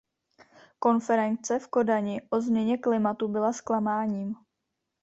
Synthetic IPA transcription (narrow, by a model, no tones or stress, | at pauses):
ko̞nfɛɾɛnt͡sɛfko̞daɲɪʔo̞zmɲɛɲɛklɪmat̪ubɪlasklamaːɲiːm